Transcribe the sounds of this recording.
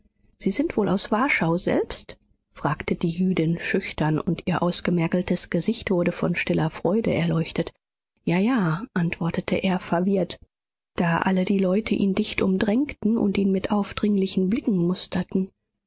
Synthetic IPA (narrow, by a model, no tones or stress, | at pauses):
z̥iːzɪntv̥oːlaʊsv̥aɐʃaʊzɛ̰lpst | fʁ̥aːktəd̥iːjyːdɪnʃʏçtɐnʊntiːɐʔaʊsɡ̥əmɛɐkl̩tʰəsɡ̥əzɪçtv̥ʊɐɾəfɔnʃtɪlɐfʁ̥ɔʏdə̰ʔɛɐlɔʏçtət | jaːjaːʔantv̥ɔɐtətʰəʔeːɐfɛɐvɪɐt | d̥aːʔa̰lədiːlɔʏtʰəʔiːndɪçtʔʊmdʁɛŋktn̩ʔʊ̰ntʔiːnmɪtʔaʊfd̥ʁɪŋlɪçn̩blɪkŋ̩mʊstʰɐtn̩